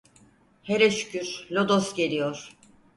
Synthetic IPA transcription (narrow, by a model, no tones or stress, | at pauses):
heɾɛʃy̥cʰʲyɾlʲod̪osɟe̞lʲijoɾ̥